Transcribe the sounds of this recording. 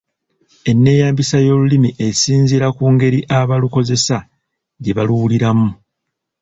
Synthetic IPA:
e̞nːe̞ːjaːmbisajo̞ːlulimiʔe̞siːnziɾakuːŋɡe̞ɾiʔaβaluko̞ze̞sa | ɟeβaluwuliɾamu

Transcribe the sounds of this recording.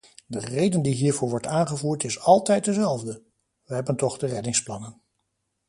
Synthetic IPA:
dərejdəndiɦiːɹvʊːɹʋɔɹtaːnχəvuːɹtɪsɑlˠtɛjt̚dəzɛlˠvdə | ʋəɦɛbəntɔχdərɛdɪŋsplɑnən

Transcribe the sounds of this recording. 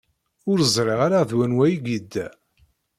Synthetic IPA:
ʊɾəzˤɾˤeʁaɾaðwænwæjiɡid̪ːæ

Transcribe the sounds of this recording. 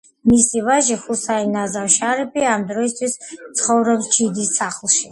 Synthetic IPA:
misivaʒiχusainazawʃaɾipʰʼiamd̪ɾɔist̪ʰwist̪sʰχɔvɾɛbst͡ʃʰid̪issaχlˠʃi

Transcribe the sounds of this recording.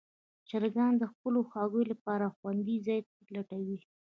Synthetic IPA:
t͡ʃaɾɡɑnd̪əxpəloxɑɡəjlapɑɾaxwand̪izɑjt̪ | laʈawi

